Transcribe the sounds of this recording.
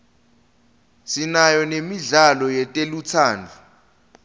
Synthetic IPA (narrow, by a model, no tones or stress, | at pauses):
sinajɔnemiɮalɔjɛtʼelut͡sʰaːndʱu